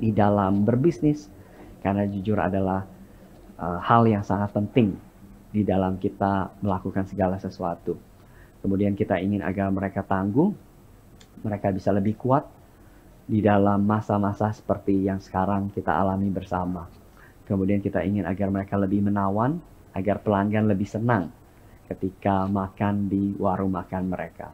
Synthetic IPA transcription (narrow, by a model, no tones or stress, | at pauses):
didalambərbisnɪskarnad͡ʒud͡ʒʊɾa̰dalah | ʔəhaljaŋsaŋat̪̚pənt̪ɪŋ | didalamkit̪aməlakukansəɡalasəsuat̪u | kəmudiankit̪aiŋɪna̰ɡarməɾekat̪aŋɡuŋ | məɾekabisaləbɪhkuat̪̚ | didalamːasamasasə̥pərt̪ijaŋsə̥kaɾaŋkit̪a̰a̰lamibərsama | kəmudiankit̪aiŋɪna̰ɡarməɾekaləbɪhmənawan | aɡarpəlaŋɡanləbɪhsənaŋ | kət̪ikamakandiwaɾumakanməɾeka̰